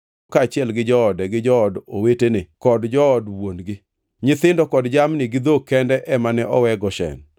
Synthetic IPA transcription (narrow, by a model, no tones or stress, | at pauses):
kat͡ʃɪɛlɡɪd͡ʒɔɔdɛɡɪd͡ʒɔɔdowetenɪkɔdd͡ʒɔːdwonɡɪ | ɲɪt̪ɪndɔkɔdd͡ʒamnɪɡɪd̪okɛndɛʔɛmanɛʔɔwɛɡɔʃɛ̰n